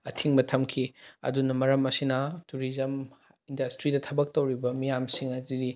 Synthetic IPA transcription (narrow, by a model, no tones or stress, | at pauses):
ɐtʰiŋbɐtʰɐmkʰiɐ̰dunɐmɐɾɐmɐsinɐtuɾizɐm | indɐstɾidɐtʰɐbɐk̚tɐwɾibɐmijamsiŋɐdidi